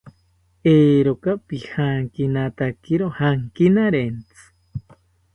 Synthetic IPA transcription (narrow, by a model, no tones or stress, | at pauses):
eːɾokapihaŋkinat̪akiɾohaŋkinaɾent͡sɨ̥